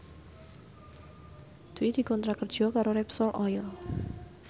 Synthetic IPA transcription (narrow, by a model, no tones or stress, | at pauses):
d̪̥uid̪̥i̤kɔnt̪ɾakər̥ʒ̥ɔ̤kaɾoɾɛpsɔlʔɔɪl